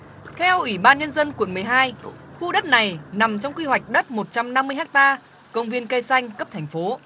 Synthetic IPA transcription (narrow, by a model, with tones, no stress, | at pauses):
t̪ʰɛ˧wʔwi˧˩ɓaː˧nɲə˧nzə˧nkwu˨˩ənmɨ˨˩əjɦaː˧jxu˧ɗə˦˥t̚na˨˩jna˨˩mt͡ɕɔ˧wŋ͡mkwi˧ɦwa˨˩jk̟̚ɗə˦˥t̚mo˨˩t̚t͡ɕa˧mna˧mːɨ˧əjhaː˦˥k̚t̪aː˧ | kə˧wŋ͡mvi˧ənkə˧jsa˧jŋ̟kə˦˥p̚t̪ʰɛ˨˩jŋ̟fo˨˦